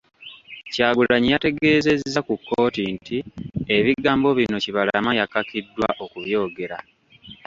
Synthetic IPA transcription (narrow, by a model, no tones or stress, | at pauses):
caːɡulaɲijate̞ɡe̞ːze̞zːakukːoːtintie̞βiɡaːmbo̞βino̞ciβala̰majakːakidːwa̰ʔo̞kuβjo̞ːɡe̞ɾa